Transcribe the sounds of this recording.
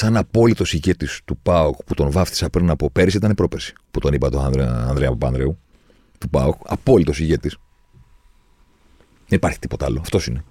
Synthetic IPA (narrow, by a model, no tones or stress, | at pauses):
sɐnɐpo̞lit̪o̞siʝe̞t̪ist̪upɐokput̪o̞nvɐft̪i̥sɐpɾinɐpo̞pe̞ɾisit̪ɐnepɾo̞peɾsi̥put̪o̞nipɐt̪oɐɾeɐ̰nðɾeɐpopɐ̰nðɾeu | t̪upɐ̰okɐ̰po̞lit̪osiʝe̞t̪is | ðenipɐɾçi̥t̪i̥po̞t̪ɐɐloɐft̪o̞sine